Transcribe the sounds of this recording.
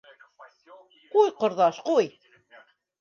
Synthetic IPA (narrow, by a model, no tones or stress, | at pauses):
qujqŏɾðɑʃquj